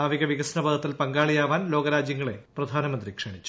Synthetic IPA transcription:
aːʋiɣɐʋiɣɐsnɐbɐd̪ʱɐt̪ːilpɐŋɡaːɭijaːʋaːnlo̞ːɡɐɾaːd͡ʑjɐŋːɐɭe̞prɐd̪ʱaːnɐmɐnd̪rikʂɐɳit͡ɕːu̥

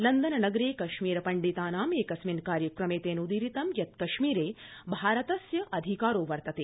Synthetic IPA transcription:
lɐnd̪ɐnɐnɐɡɾeːkɐʃmiːɾɐpɐɳɖit̪aːnaːmeːkɐsminkaːɾjɐkɾɐmeːt̪eːnud̪iːɾit̪ɐmjɐt̪̚kɐʃmiːɾeːbʱaːɾɐt̪ɐsjɐʔɐd̪ʱikaːɾoːʋɐɾt̪ɐt̪eː

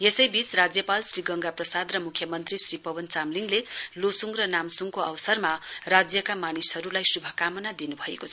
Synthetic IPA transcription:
jesʌjbit͡srad͡zjʌpalsriɡʌŋɡaprʌsad̪rʌmukʰjʌmʌnt̪risripʌwʌnt͡samliŋlelosuŋɡrʌnamsuŋkoʌwsʌrmarad͡zjʌkamanishʌɾulajsubʱʌkamʌnad̪inubʱʌḛkoʌʌ

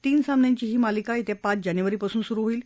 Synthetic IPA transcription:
t̪iːnsamnjãɲt͡ɕiːɦiːmalikait̪epat͡sd͡ʑanjuʋəɾiːpasuːnsuɾuːɦoiːl

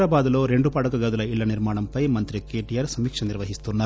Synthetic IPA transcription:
ɾɐbaːd̪ɐloːɾe̞ɳɖupaːɽɐkɐɡad̪ɐlɐilːɐniɾmaːɳɐmpɐjmɐnt̪ɾikːeʈijɐɾsɐmiːkʂɐniɾʋɐɦist̪unːɐ

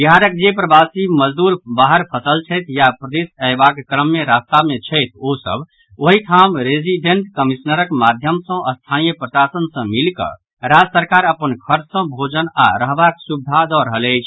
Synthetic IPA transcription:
biɦaɾək̚d͡ʒepɾəbasiməd͡ʒd̪uɾbaɦəɾpʰəsəlt͡ʃʰəɪt̪ʰjapɾəd̪esəɪbakkɾəmːeɾast̪amːet͡ʃʰəjt̪ʰosə̰bʱ | oɦiʈʰamɾed͡ʒiɖeɳʈkəmisnəɾəkmad̪ʱjəmsə̃ʔəst̪ʰanijəpɾəsasənsə̃milkə̰ | ɾad͡ʒsəɾkaɾəpənkʰəɾt͡ʃsə̃bʱod͡ʒəna̰ɾəɦbaksub̚d̪ʱad̪ɔɾəɦələɪt͡ʃʰ

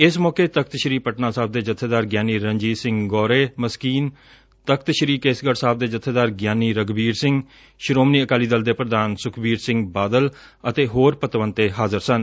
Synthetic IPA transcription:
ɪsmɔːkeːt̪ək̚ʰt̪ʃəɾiːpəʈnaːsaːb̚d̪eːd͡ʒət̪ʰːeːd̪aːɾɡjaːniːɾə̃ɲd͡ʒiːsɪ̃ŋɡɡɔːɾeːməskiːn | t̪əkʰt̪ʃəɾiːkeːsɡəɽsaːb̚d̪eːd͡ʒət̪ʰːeːd̪aːɾɡjaːniːɾəɡbiːɾsɪ̃ŋɡ | ʃɾoːmniːəkaːliːd̪əld̪eːpɾəd̪aːnsʊkʰbiːɾsɪ̃ŋɡbaːd̪əl | ət̪eːɦoːɾpət̪ʋənt̪eːɦaːzəɾsən

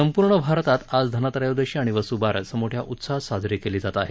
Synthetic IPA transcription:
əmpuɾɳəbʱaɾt̪at̪ad͡zd̪ʱənat̪ɾəjod̪əɕiaɽ̃iʋəsubaɾsəmoʈʰjaʔut̪sasad͡zɾikeliːd͡zat̪aɦe

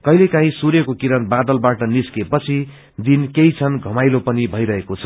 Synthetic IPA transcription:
kʌjlekãɦĩsuɾjʌkokiɾʌnbad̪ʌlbaʈʌniskepʌt͡sʰi | d̪inkejt͡sʰʌnɡʱʌmajlopʌnibʱʌjɾʌɦekot͡sʰʌ̥

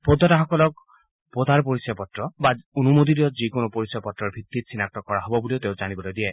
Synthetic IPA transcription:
pɔd̪ʱːɔtaxɔkɔlɔk̚ | pɔd̪ʱaɹpoɹisjɔpɔtɹɔbaonumod̪iɾiɔtzikonopoɹisɔjɔpɔtɹɔɹbʱit̪ːit̪sʰinak̚tɔkɔɹaɦɔbɔbuliot̪eʊzanibɔlojd̪iɛ

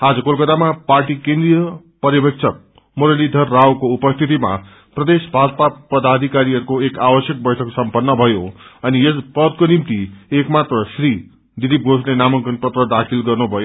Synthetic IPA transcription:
ad͡zʌkolkʌt̪amaparʈikẽnd̪rijʌ | pʌɾjʌbekt͡sʰʌk̚ | moɾelid̪ʱʌrːawkoupʌst̪ʰit̪ima̰ | prʌd̪esbʱad͡zpapʌd̪ad̪ʱikaɾiɦʌɾukoekabʌsjʌk̚bʌjʈʰʌksʌmpʌnːʌbʱʌjoʌnijʌsbʌd̪̚konimt̪iekmat̪rʌsri | d̪id̪ip̚ɡoslenamʌŋkʌnpʌt̪rʌd̪akʰilɡʌrnubʱʌjo

